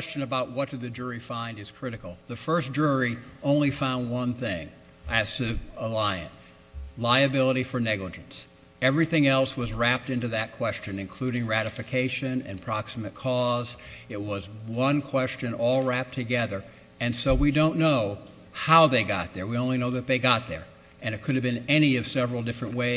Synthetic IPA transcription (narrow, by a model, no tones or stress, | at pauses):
ɛst͡ʃɨ̃nɨbaʊʔ̚wʌt̚d̥ɨðɨd͡ʒʊɹifãɪ̃ndɨz̥kʰɹ̥ɪɾɨkl̩ˠðɨfɜ˞sd̥ʒ̥ʊɹiʔõʊ̃nlifãʊ̃nd̚wʌ̃nθɪ̃ŋ | ɨz̥tʰɨəlaɪɨ̰̃n | laɪɨbɪlˠəɾifə˞nɛɡləd͡ʒɨ̃n̩s | ɛvɹiθɪ̃ŋɛlˠswʌzɹæp̚tɪ̃ntʉðɨt̚kʰw̥ɛst͡ʃɨ̃nɨ̃nkʰl̥ʉɾɪ̃ŋɹæɾɨfɨkʰeɪʃɨ̃nɨ̰̃npʰɹ̥ɑksəmɨt̚kʰɔzɪt̚wʌzwʌ̃nkʰw̥ɛst͡ʃɨ̃nɔlˠɹæp̚tʰɨɡɛðə˞ | ɨ̃nsoʊwidõʊ̃nːoʊ | haʊðeɪɡɑ̰t̪̚ðə˞wiõʊ̃nlinoʊðɨt̪̚ðeɪɡɑt̪̚ðə̰˞ | ʔɨ̃ñɨt̚kʰʊɾɨvbɨ̃nɛñiʌv̥sɛvɹl̩ˠdɪfɹɨ̃nʔweɪ